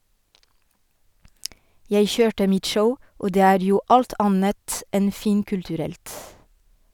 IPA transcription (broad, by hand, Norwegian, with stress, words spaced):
ˈjeɪ ˈçøːʈə ˈmɪt ˈʃəʊ ˈoː ˈdeː ˈæːɾ ˈjuː ˈʔɑlt ˈɑnət ˈɛn ˈfiːŋkʉltʉˌɾɛlt